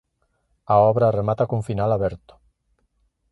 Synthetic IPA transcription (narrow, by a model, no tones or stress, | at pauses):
aɔβɾaremat̪akuɱfinalaβɛɾt̪ʊ̥